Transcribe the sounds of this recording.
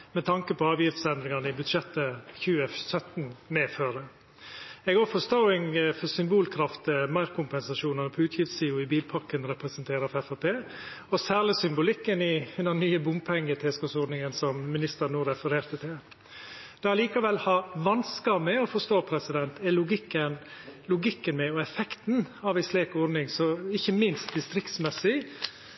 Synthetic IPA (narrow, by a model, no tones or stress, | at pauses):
mɛt̪ʰɑŋkəpɔɑːʋjɪft̪sɛnd̪ɾɪŋɑnəɪbʉd̪ʃɛt̪ːəçʉːəsœt̪nmeːføːɾə | ɛɡoːfɔst̪oːɪŋfɔsʏmbuːlkʰɾɑft̪əmæɪɾkʰʊmpɛnsɑʂuːnɑnɔpʰɔʉːt̪ʰjɪft̪siːʊɪbiːlpʰɑɾkənɾɛpɾɛsənt̪ʰeːɾəfɛfɑːpʰeːɔsæːɾɭɪsʏmbʊlɪkːənɪnɑnːyːəbʊmpʰɛŋːət̪ʰɛskɔsɔɾd̪nɪŋənsɔmmɪnɪst̪əɾnuːɾɛfəɾeːɾt̪ət̪ʰɪl | d̪̥ɛɑliːkɑʋɛlːhɑɾʋɑnskɑmɛɔfɔʂt̪oːpʰɾɛsɪd̪ɛnt̪ʰɛlʊɡɪkːənlʊɡɪkːənmɛɔɛfɛkt̪n̩ɑʋæɪsleːkɔɾnɪŋsɔɪçəmɪnst̪̚d̪ɪst̪ɾɪkt̪smɛsɪ